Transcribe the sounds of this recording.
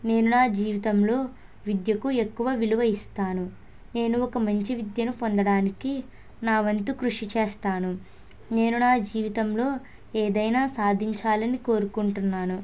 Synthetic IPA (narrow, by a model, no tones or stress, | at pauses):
ne̞ːnunaːd͡ʒiːʋit̪ɐmlo̞ː | ʋid̪jɐkue̞kːuʋɐʋiluʋɐist̪aːnu | ne̞ːnuɔkɐmɐɲt͡ʃiʋid̪jɐnupond̪ɐɽaːniki | naːʋɐnt̪ukɾuʂit͡ʃeːst̪aːnu | ne̞ːnunaːd͡ʒiːʋit̪ɐmlo̞ː | eːd̪ɐjnaːsaːd̪ʱiɲt͡ʃaːlɐniko̞ːɾukuɳʈunːaːnu